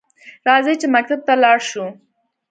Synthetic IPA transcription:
ɾɑzit͡ʃemak̚t̪ab̚t̪alɑɽʃu

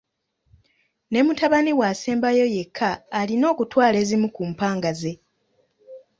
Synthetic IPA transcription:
ne̞mutaβaniwaːseːmbajo̞je̞kʰːaːlino̞ːkutwaːle̞ːzimukumpaːŋɡaze̞

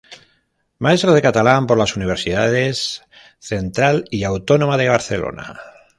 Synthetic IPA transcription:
mae̞st̪ɾoð̞e̞kat̪alampo̞ɾlasuniβ̞e̞ɾsiðaðe̞s | θe̞nt̪ɾaliawt̪o̞nõ̞maðeβ̞aɾθe̞lo̰na̰

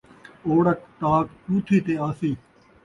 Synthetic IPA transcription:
oːɽək̚t̪aːktuːt̪ʰiːt̪eːaːsiː

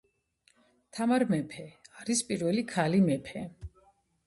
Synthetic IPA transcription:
t̪ʰamaɾmɛpʰɛaɾispʼiɾvɛlikʰalimɛpʰɛ

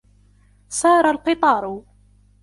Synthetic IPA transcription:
sˤɑːɾˤalqɪt̪ˤɑːɾˤʊ

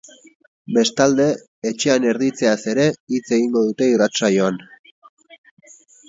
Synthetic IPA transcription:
be̞st̪ald̪e̞ː | t͡ʃe̞ane̞ɾðit͡se̞ase̞ɾe̞it͡se̞ɣiŋɡo̞ðut̪e̞irat͡sajo̞an

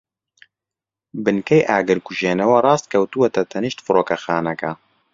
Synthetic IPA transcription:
bɨnkɛjʔaːɡɨɾkuʒeːnɐwɐrˤɑːst̪̚kʰɐwt̪uwɐt̪ɐt̪ʰɐniʃt̪fɨɾoːkɐxaːnɐkɐ

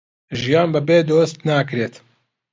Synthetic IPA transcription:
ʒijaːnbɨbeːd̪oːst̪naːkɾeːt̪

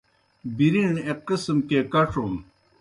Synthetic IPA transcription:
biɾiɳeqismkekɐʈ͡ʂum

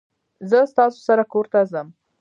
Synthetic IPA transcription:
zəst̪ɑso̥saɾakoɾt̪azəm

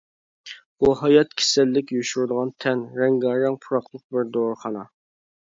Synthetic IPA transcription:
buɦɑjɑt̪kʲʰe̥sɛlːɪkʲjuʃuɾd̪əʁɑnt̪ʰɛnɾɛŋɡɑɾɑŋpʰuɾɑqlˠəq̚bɪɾd̪oɾχɑnɑ

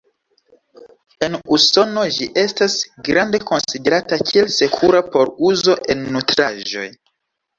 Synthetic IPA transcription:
e̞nuso̞no̞ʒiʔe̞stasɡɾande̞ko̞nside̞ɾatakʰielse̞kʰuɾapo̞ɾuzo̞ʔe̞nːutɾaʒo̞̰j

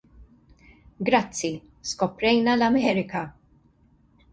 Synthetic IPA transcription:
ɡɾɐt͡sːi | skɔpɾɛjnɐlɐmɛːɾɪkɐ

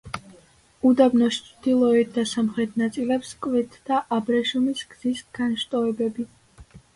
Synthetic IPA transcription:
ud̪abnɔst͡ʃʰd̪ilˠɔɛt̪̚ʰd̪asamχɾɛt̪ʰnat̪sʼilɛpskʼvɛt̪ʰd̪aʔabɾɛʃumisɡ̥z̥isɡ̥anʃt̪ʼɔɛbɛbi

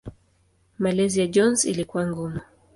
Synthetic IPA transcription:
malɛzijad͡ʒɔnzḭlikuwaŋɡumu

